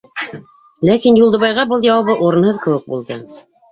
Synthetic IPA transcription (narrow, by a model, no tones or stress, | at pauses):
lækinjulˠd̪ɤ̆βɑjʁɑbɤlˠjɑwɑβɤʔuɾɤ̆nhɤðkɘ̆wɘk̚bṵlˠd̪ɤ